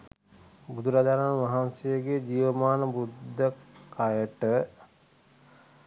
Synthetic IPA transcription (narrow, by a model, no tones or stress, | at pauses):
bud̪ʱuɾad͡ʒaɾaːnʋaɦansejəɡed͡ʒiːʋəmaːnəbud̪ʱːəkʰajəʈə